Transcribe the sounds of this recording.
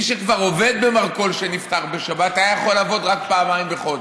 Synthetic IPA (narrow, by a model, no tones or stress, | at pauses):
ʃekvaʁo̞ve̞d̪̚bemaʁko̞lʃenift̪aʁbeʃabat̪ajaχo̞laːvo̞d̪ʁak̚paːmaimbeχo̞d